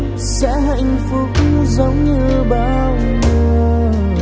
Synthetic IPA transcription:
sɛ̰˧˥ɦə̰˧˨jŋ̟fɨ˨˦k̚zə˨˦wŋ͡mɲɨ˧ɓaː˧˩w | mu˧˩

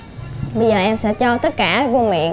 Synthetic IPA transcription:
ɓə˧jzəː˨˩ʔɛ˧msɛ̰˧˥t͡ɕɔ˧t̪ə˦˥t̚kaː˧˩vo˧mḭ˧˨ə

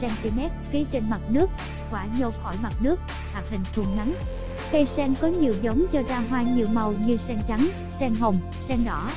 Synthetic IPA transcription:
sɛ˧ŋt̪i˧mɛ˦˥t̚fi˨˦ət͡ɕe˧nma˨˩t̚nɨ˦˥ək̚ | kwaː˧˩ɲo˧xɔ˧˩jma˨˩t̚nɨ˦˥ək̚ | ha˨˩k̚hï˨˩ŋ̟t̪ʰu˧˩əŋna˨˦ŋ | fe˧sɛ˧ŋkɔ˨˦ɲi˨˩əwzə˨˦wŋ͡mt͡ɕɔ˧zaː˧ɦwaː˧ɲi˨əwmə˨˩wɲɨ˧sɛ˧ŋt͡ɕa˨˦ŋ | sɛ˧ŋɦo˨˩ŋ͡m | sɛ˧ŋɗɔ˧˩

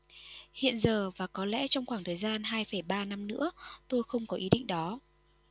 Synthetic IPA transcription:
hḭ˧˨ənzəː˨˩vaː˨˩kɔ˨˦lɛ̰˧˥t͡ɕɔ˧wŋ͡mxwaː˧˩ŋt̪ʰəː˨˩jzaː˧nɦaː˧jfə˧˩jɓaː˧na˧mnɨ̰˧˥ət̪o˧jxə˧wŋ͡mkɔ˨˦ʔi˨˦ɗḭ˧˨ŋ̟ɗɔ˨˦

